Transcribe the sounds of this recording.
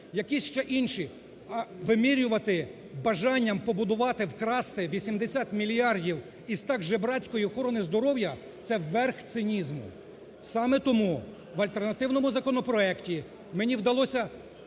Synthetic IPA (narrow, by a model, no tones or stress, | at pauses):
jɐkisʲʃt͡ʃɛʔinʃi | ʋɪmiɾʲʊʋɐt̪ɪ | bɐʒɑnʲːɐmpɔbʊd̪ʊʋɑt̪ɪwkɾɑst̪ɪʋʲisʲimd̪esʲat̪mʲilʲijɑrdʲiw | izt̪ɑɡʒɛbɾɑt͡sʲkɔjiɔxɔɾɔnɪzd̪ɔɾɔwjɐ | t̪sɛʋːɛrxt̪sɪnʲizmʊ̰ | sɑmɛt̪ɔmu | ʋɐlʲt̪ernɐt̪ɪwnɔmʊzɐkɔnɔpɾɔɛktʲi | menʲiwd̪ɐlˠɔsʲɐ